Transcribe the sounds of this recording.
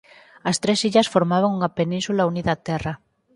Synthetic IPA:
ɐst̪ɾesiʎɐsfoɾmaβ̞aŋuŋapenĩnsulauniðat̪ɛra

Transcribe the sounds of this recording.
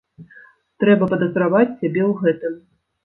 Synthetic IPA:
t̪ɾɛbɐpɐd̪ɐzɾavat͡sʲsʲabʲɛwɣɛt̪ɨm

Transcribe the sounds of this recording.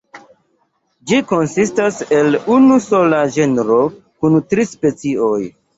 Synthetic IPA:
d͡ʒiko̞nsistase̞lunuso̞laʒenɾo̞ | kuntɾispe̞t͡sio̞j

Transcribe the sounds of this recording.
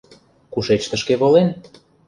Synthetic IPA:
kuʃet͡ɕt̪ə̆ʃkeβolen

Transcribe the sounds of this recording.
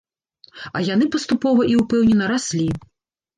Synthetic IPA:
ɐ̰janɨpɐst̪upɔvɐʔiupɛwnʲɛnɐɾasʲlʲi

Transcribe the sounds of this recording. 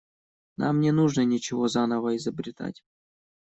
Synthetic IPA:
nʔa̰mnʲɛnuʐnənʲɪt͡ɕɪvozanəvəizəbɾʲɪt̪a̰tʲ

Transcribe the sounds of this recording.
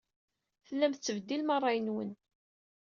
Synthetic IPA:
θəlːæmθət͡sːəvd̪ːilmɑrˤːɑjənwə̰n

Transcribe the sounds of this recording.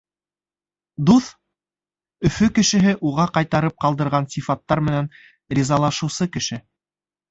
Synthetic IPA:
d̪uθ | ɵ̆fɵkɘ̆ʃɘ̆ɦɘʔuʁɑqɑjt̪ɑɾɤp̚qɑlˠd̪ɤ̆ɾʁɑnsʲifɑt̪ːɑɾmɘ̆næn | ɾʲizɑlˠɑʃɤ̆wsɤkɘ̆ʃɘ

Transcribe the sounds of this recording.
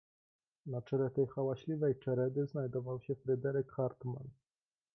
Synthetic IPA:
nat͡ʂɛlɛt̪ɛjxawaɕlʲivɛjt͡ʂɛɾɛd̪ɘznajd̪ɔvawɕɛfɾɘd̪ɛɾɛkxaɾt̪ma̰n

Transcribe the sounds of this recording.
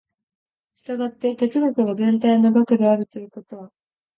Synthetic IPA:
ɕi̥t̪aɡat̪ːe̞t̪e̞t͡sɨɡokɯ̟ɡazẽ̞nt̪ainoɡakɯ̟d̪e̞aɾɯ̟t̪o̞jɯ̟ko̞t̪o̞βa

